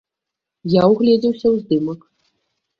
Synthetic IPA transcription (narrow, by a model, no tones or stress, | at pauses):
jawɣlʲɛd͡zʲiwsʲɐwzd̪ɨmɐk